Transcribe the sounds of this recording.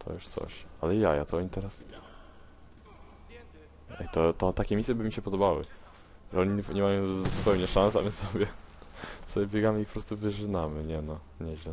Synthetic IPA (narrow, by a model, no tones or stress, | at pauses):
t̪ʰɔ̰juʂt̪sɔ̰ɕalɛja̰ja̰t̪ɔɔɲit̪ɛɾas | ɛ̰jt̪ɔt̪ɔt̪akʲɛmʲisjɛbɘmʲiɕɛpɔd̪ɔbawɘ̰ | ʐɛɔɲiɲɛmajɔ̃w̃zupɛwɲɛʂansa̰mɛsɔbʲjɛ | sɔbʲjɛbʲjɛɡamɘipɔpɾɔst̪uvɘʐɘnamɘɲɛnɔ | ɲɛʑlɛ